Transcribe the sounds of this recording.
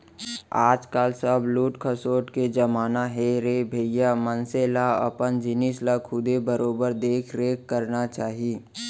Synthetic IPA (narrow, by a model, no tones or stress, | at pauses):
aːd͡ʒkaːlsəbluːʈkʰəsoːʈked͡ʒɐmaːnaɦeɾebʱejamənselaɐ̰pənd͡ʒɪnislakʰʊd̪ebəɾoːbəɾd̪eːkʰɾeːkːəɾnat͡ʃaːɦieː